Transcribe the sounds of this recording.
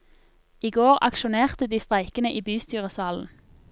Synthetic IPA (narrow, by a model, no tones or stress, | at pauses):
iːɡoːʁɑ̰kʃʊneːʁt̪əd̪iːst̪ʁæɪkənəʔiːbyːst̪yːʁəsɑːln̩